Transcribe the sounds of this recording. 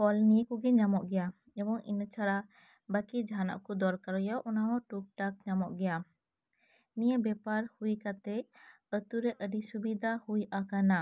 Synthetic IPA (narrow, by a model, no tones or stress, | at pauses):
pɔlniekuɡɛɲamɔʔɡɛja | ɛbɔŋʔḭnət͡ʃʰaɾa | bakid͡ʒɦana̰ʔkɔd̪ɔɾkaɾɔjɔʔɔnaɔʈuk̚ʈak̚ɲamɔʔɡɛja | nijəbɛpaɾhujkat̪ɛ | ət̪uɾɛʔəɖisubid̪ʱahujʔakana